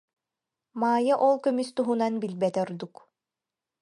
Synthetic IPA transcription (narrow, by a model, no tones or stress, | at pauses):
maːjaʔɔlˠkœmyst̪uɦunanbilbɛt̪ɔɾd̪uk